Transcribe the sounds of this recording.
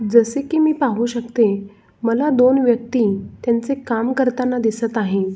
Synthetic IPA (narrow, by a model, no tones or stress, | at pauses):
d͡zəsekiːmiːpaɦũɕək̚t̪e | məlad̪onʋjək̚t̪iːt̪jant͡sekamkəɾt̪anːad̪isət̪aɦe